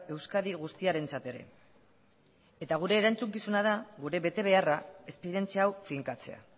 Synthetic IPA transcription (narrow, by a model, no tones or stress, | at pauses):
e̞wskaðiɣ̞ust̪iaɾe̞nt͡sat̪e̞ɾe̞̰ | et̪aɣ̞uɾe̞ːɾant͡suŋkisunað̞aɣuɾe̞βe̞t̪e̞β̞e̞arae̞spe̞ɾie̞nt͡siaːwfiŋkat͡se̞a̰